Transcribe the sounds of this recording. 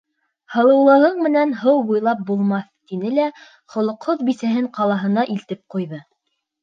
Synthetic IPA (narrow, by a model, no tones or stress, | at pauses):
hɤ̆lˠɤ̆wlˠɤ̆ɦɤɴmɘ̆nænɦɤwbujlˠɑp̚bulˠmɑθt̪inɘlæ | χŏlˠŏqhoðbisæɦɘɴqɑlˠɑɦɤ̆nɑʔilt̪ɘp̚qujðɤ